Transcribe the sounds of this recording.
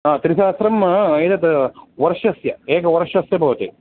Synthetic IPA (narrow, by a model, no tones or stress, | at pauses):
aːt̪iɾisaːsɾɐmjt̪ɐt̪ʋɐɾɐʃɐsjɐeːɡɐʋɐɾʃɐsjɐbʱɐʋɐt̪e